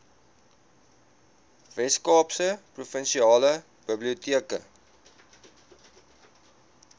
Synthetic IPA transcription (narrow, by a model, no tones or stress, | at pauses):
vɛskɑːpsəprufənʃiɑːlə | b̥əbliutiəkə̰